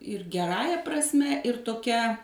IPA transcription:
ɪr ɡʲɛˈrɑːjɛ prɐsʲˈmʲɛ ɪr toːˈkʲɛ

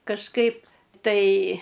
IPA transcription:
kɐʃˈkɐɪp tɐɪ

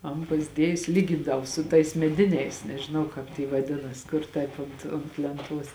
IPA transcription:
ˈɐn pɐzʲˈdʲiɛjʊsʲɪ lʲiːˈɡʲɪndɐʋoː sʊ tɐɪs mʲɛˈdʲɪnʲɛɪs nʲɛʒʲɪˈnɐʊ ˈkɑːp tʲiː ʋɐˈdʲɪnɐs ˈkʊr ˈtɐɪp ʊnt ʊnt lʲɛnˈtuɔs

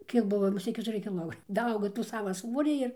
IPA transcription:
ˈkʲiɛk ˈbʊʋoː mʊˈsʲeːt kʲɛtʊˈrʲɪ kʲɪˈlˠoː dɐˈɐʊɡoː ˈtuː ˈsɑːʋɐ ˈsʋoːrʲiː ɪr

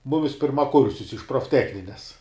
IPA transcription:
ˈmʊmʲɪs pʲɪrmɐˈkʊrʲsʲʊs ɪʃ proːfʲˈtʲæːxʲnʲɪnʲɛs

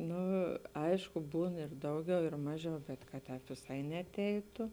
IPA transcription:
ˈnʊ ˈɐɪʃkʊ ˈbuːn ɪr ˈdɐʊˌɡʲɛʊ ɪr ˈmɑːˌʒʲɛʊ bʲɛt kɐt ˈtʲɛːp ʋʲɪˈsɐɪ nʲɛɐˈtʲɛɪtʊ

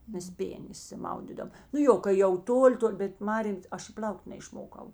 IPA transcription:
ˈmʲɛs ˈpʲeːnʲeː ɪʃʲsʲɪˈmɐʊdʲiːdoːm nʊ ˈjoː kɐɪ jɛʊ ˈtoːˌlʲɪ ˈtoːlʲ bʲɛt ˈmɑːrʲeːm ˈɐʃ ɪ ˈpʲlʲɐʊktʲ nʲɛɪʃˈmoːkɐʊ

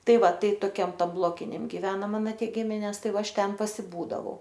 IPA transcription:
ˈtɐɪ ˈʋɐ ˈtɐɪ toːˈkʲɛm ˈtɐm ˈblˠoːkʲɪnʲɛm ɡʲɪˈʋʲæːnɐ ˈmɑːnoː ˈtʲiɛ ˈɡʲɪmʲɪnʲɛs ˈtɐɪ ˈʋɐ ˈɐʃ ˈtʲɛn pɐsʲɪˈbuːdɐʋɐʊ

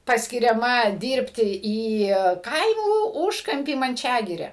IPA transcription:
pɐsʲkʲɪrʲɛˈmɐ ˈdʲiːrʲpʲtʲɪ iː ˈkɐɪmuː ˈuːʃkɐmʲpʲiː mɐnʲˈt͡ʃʲæːɡʲɪrʲæː

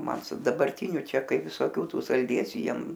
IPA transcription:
ˈmɐn sʊ dɐbɐrʲˈtʲɪnʲʊ ˈt͡ʃʲɛ ˈkɐɪ ʋʲɪsoːˈkʲuː ˈtuː sɐlʲˈdʲeːsʲuː ˈjiɛm

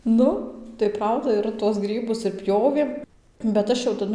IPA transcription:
ˈnʊ tɐɪ ˈprɐʊdɐ ɪr tuɔs ˈɡrʲiːbʊs ɪr ˈpʲjoːʋʲeːm bʲɛt ˈɐʃ jɛʊ tɐˈdʊ

